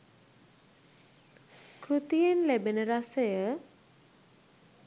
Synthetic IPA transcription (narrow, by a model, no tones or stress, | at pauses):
kʰut̪ijenlebenəɾasəjə